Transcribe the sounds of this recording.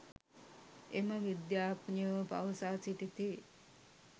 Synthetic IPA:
eməʋid̪jaːpɲəʋpa̰ʋɐsaːt͡ʃiʈit̪eː

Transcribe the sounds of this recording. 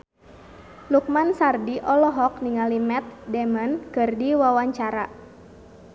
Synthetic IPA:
luk̚mansardiʔɔlɔɦɔk̚niŋalimɛt̪̚dɛmənkɨrdiwawaɲt͡ʃaɾa

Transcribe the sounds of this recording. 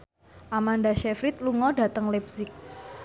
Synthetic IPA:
ʔamandaʃɛfɾit̪̚luŋɔɖa̤t̪əŋlɛbsɪk̚

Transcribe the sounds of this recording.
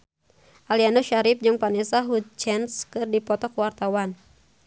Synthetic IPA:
ʔalianɔʃaɾip̚d͡ʒɨŋpanɛsaɦut͡ʃɛnskɨrdipɔt̪ɔkwart̪awan

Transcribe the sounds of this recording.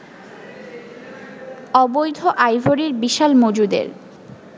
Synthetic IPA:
ɔbojd̪ʱoʔajvʱoɾiɾbiʃalmod͡ʑud̪ḛɾ

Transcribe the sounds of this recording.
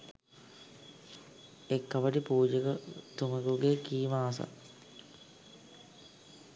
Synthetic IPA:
ekːɐʋɐʈipuːd͡ʑəɡət̪umɐɡuɡekiːmaːsa̰

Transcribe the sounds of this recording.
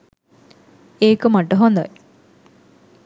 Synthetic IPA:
eːkəmaʈəɦond̪a̰j

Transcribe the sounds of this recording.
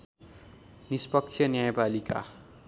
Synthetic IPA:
nispʌk̚t͡sʰjʌnjajpalika̰

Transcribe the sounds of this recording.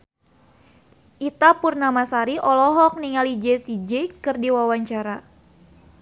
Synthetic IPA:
ʔit̪apurnamasaɾiʔɔlɔɦɔk̚niŋalid͡ʒesid͡ʒɛkɨrdiwawaɲt͡ʃaɾa

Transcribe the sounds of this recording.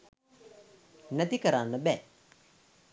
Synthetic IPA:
næt̪ikəɾanːəbɛ

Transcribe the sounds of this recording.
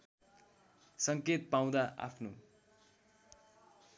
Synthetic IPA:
sʌŋket̪̚paw̃d̪aʔa̰pʰno

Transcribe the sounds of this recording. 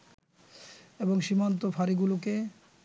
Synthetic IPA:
eboŋʃimant̪̬ofʰaɾiɡuloke

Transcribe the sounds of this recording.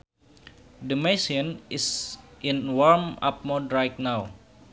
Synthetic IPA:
dəmesiənɪsʔinwɔɹma̰p̚modɹajt̪̚naw

